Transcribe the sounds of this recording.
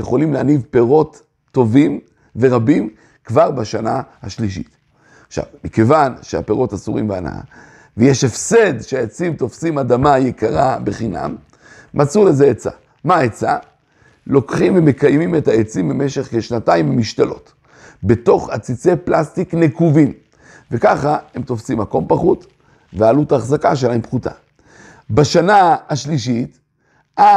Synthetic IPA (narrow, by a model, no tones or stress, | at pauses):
jeχo̞limleanivpe̞ʁo̞tː | o̞vim | ve̞ʁabim | kvaʁbaʃanahaʃliʃ̬ḭt̪ | aχʃa̰vmike̞vanʃea̰pe̞ʁo̞tasuʁḭmba̰na̰a̰ | vejeʃe̞fse̞dʃeaet͡simt̪o̞fsimadamajekaʁabeχina̰mː | ʔat͡sule̞zeet͡sa̰ | maet͡sa | lo̞kχimveme̞kajmime̞taet͡simbeme̞ʃe̞χkeʃnataimmiʃt̪alo̞t | be̞to̞χat͡sit͡se̞plast̪iknekuvim | ve̞kaχae̞mt̪o̞fsimako̞mpaχut̪ | vealutaːχzakaʃ̬elaempχuta̰ | baʃanaaʃliʃ̬it | ʔa